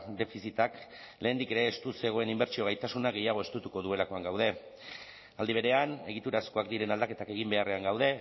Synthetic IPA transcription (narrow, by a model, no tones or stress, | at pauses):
d̪e̞fisit̪ak | le̞ːnd̪ike̞ɾe̞ːst̪use̞ɣ̞o̞e̞nimbe̞ɾt͡ʃio̞ɣ̞ajt̪asunaɣe̞jaɣ̞o̞e̞st̪ut̪uko̞ðue̞lako̞aŋɡawðe̞ | ald̪iβ̞e̞ɾe̞ane̞ɣ̞it̪uɾasko̞akd̪iɾe̞nald̪ake̞t̪ake̞ɣ̞imbe̞are̞aŋɡawð̞e̞